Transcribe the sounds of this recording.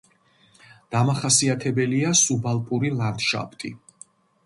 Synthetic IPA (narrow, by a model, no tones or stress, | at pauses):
d̪̥amaχasiat̪ʰɛbɛliasubalˠpʼuɾilˠand̪ʃa̰pʰt̪ʼḭ